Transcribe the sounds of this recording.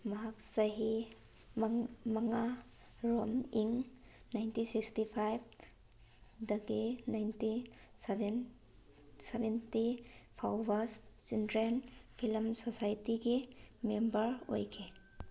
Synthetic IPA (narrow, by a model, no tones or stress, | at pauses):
mɐɦak̚sɐɦi | mmɐŋa | ɾomiŋ | najntisikstipʰajb̚ | dɐɡinajnti | sbn | sebentipʰawbast͡ʃindɾenpʰilmsosajtiɡimembɐɾo̰jkʰe